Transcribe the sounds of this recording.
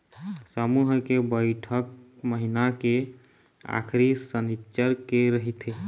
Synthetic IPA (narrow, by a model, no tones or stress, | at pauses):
səmuɦkebəjʈʰək̚məɦinake | a̰kʰɾisənitːt͡ʃəɾkeɾəɦit̪ʰe